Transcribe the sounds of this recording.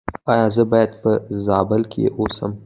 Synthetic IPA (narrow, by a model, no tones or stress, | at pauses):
ɑjɑzəbɑjad̪pəzɑbəlkʰʲḛʔosəm